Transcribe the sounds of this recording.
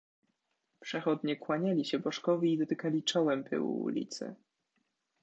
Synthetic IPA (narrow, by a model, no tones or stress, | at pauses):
pʂɛxɔd̪ɲɛkwaɲalʲiɕɛbɔʂkɔvʲiiːd̪ɔt̪ɘkalʲit͡ʂɔwɛmpɘ̰wṵṵlʲḭt̪sɘ̰